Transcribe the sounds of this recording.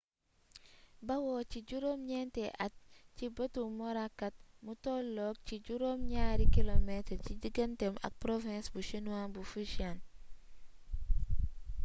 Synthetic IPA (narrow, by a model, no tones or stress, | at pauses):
bawot͡ʃiɟuɾomɲɛntɛʔat̚ | t͡ʃibɐtumoɾakːat̚mutɔlːɔk̚t͡ʃiɟuɾomɲaɾikilometcid͡ʒiɡɐntema̰k̚pɾofɛ̃sbuʃinuanbufuʃian